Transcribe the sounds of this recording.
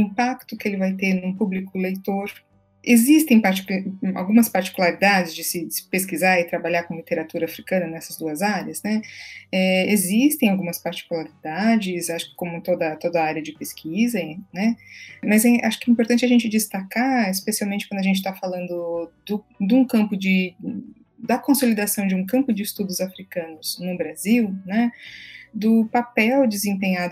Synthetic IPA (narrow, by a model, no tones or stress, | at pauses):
ĩpakt̪ʊkɪelɪvajt̪eɾnũpublikʊlejt̪oɾ | ezist̪ẽj̃paɾt͡ʃi̥ka̰wɡũmɐspaɾt͡ʃi̥kulaɾid̪ad͡ʒɪzd͡ʒɪsɪ̥peskizaɪt̪ɾabaʎaɾkõlit̪eɾat̪uɾɐafɾikɐ̃nɐnɛsɐzd̪uɐzaɾjɐznɛɛezist̪ẽj̃awɡũmɐspaɾt͡ʃi̥kulaɾid̪ad͡ʒɪsaʃʊ̥kɪ̥kõmʊt̪od̪ɐt̪od̪ɐaɾjɐd͡ʒɪpeskʰizɐnɛmɐzɛʔaʃʊ̥kɪɛĩmpoɾt̪ɐ̃nt͡ʃɪɐʒẽnt͡ʃɪd͡ʒɪst̪akaispesiawmẽnt͡ʃɪkwɐ̃d̪ʊɐʒẽnt͡ʃɪt̪afalɐ̃nd̪ʊd̪ʊ | d̪ũkɐ̃mpʊd͡ʒɪ | d̪ɐkõsolid̪asɐ̃w̃d͡ʒɪũkɐ̃mpʊd͡ʒɪːst̪ud̪ʊzafɾikɐ̃nʊz̥nʊbɾaziwnɛ | d̪ʊpapɛwd͡ʒɪzẽmpẽɲad̪ʊ